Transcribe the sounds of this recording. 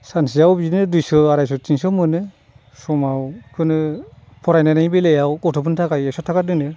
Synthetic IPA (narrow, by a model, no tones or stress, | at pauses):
sansijawbinɯdujsɯaɾajs̬ɔt͡ʃiŋsɔmɯnɯ | sɔmawkʰɯnɯ | pʰɔɾajnanajbilejawɡɔtʰɔp̬ʰɯntʰakajeksɔtʰakadɯnɯ